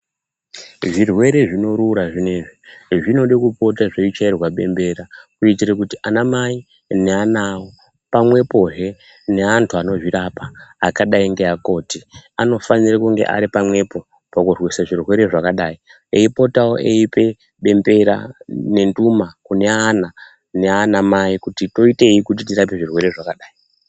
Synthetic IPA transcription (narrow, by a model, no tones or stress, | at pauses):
ʐirwe̞ɾe̞ʐino̞ɾuːɾaʐineʐiʐino̞ɗekupo̞taʐeit͡ʃairwaɓe̞mbe̞ɾakuitirekutiʔanamai | neanaːwo | pamwe̞po̞ɦe̞ | ne̞antʰuano̞ʐiɾapaːkaɗaiŋɡe̞ako̞ːtiano̞fanirekuŋɡe̞̰ʔa̰ɾipamwe̞po̞ | pakurwisaʐirwe̞ɾe̞ʐakaɗai | e̞ipo̞tawoʔḛipe̞ | ɓe̞mbe̞ɾa̰ne̞ndumakune̞ana | ne̞anamaikutito̞ite̞ikut̬itirap̬e̞ʐirwe̞ɾe̞ʐakaɗaːi